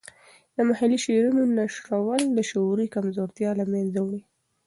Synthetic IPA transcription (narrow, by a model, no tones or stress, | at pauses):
d̪əmahaliʃeɾunonaʃɾawəld̪əʃoɾikamzoɾt̪jɑlamanzawɳi